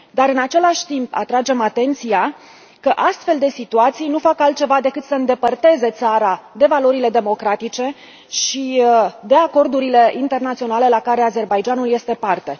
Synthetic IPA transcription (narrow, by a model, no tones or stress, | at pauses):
d̪aɾɨnat͡ʃe̞laʃʲt̪impa̰t̪ɾad͡ʒe̞mat̪e̞nt̪sia | kəʔast̪fe̞ld̪e̞sit̪uat̪sijnufakalt̪̚t͡ʃe̞vad̪e̞kɨt̪səɨnd̪e̞pərt̪e̞ze̞t̪saɾad̪e̞valo̞ɾile̞d̪e̞mo̞kɾat̪it͡ʃe̞ | ʃid̪e̞ako̞rd̪uɾile̞ʔint̪e̞rnat̪sio̞nale̞lakaɾe̞aze̞rbajd͡ʒanulje̞st̪e̞part̪e̞